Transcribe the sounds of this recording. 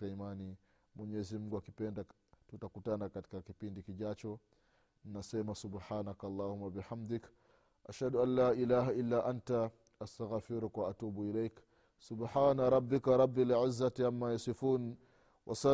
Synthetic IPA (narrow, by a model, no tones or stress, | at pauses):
aimani | mwɛɲɛzim̩ɡuakipɛnda | tutakutanakati̥kakipindikiʄat͡ʃɔ | ninasɛmasubħaːnakalˤːaːhumːabiħamd̪ɪk | ʔaʃhaduʔanːaːʔilaːɦaʔilːaːʔanta | astaɣfiɾkwaʔatuːbuilɛjk | sʊbħaːnaɾˤɑbːɪkɾˤɑbːilʕɪzːatʔamːajasifuːn | wʔasa